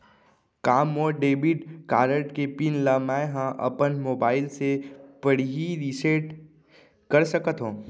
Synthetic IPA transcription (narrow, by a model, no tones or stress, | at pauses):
kaːmːoːɖeːbiʈkaːɾəʈkepinlamaːeɦãʔɐ̰pənmoːbaːɪlsepəɽ̤iɦiɾisəʈ | kəɾsəkət̪ɦõː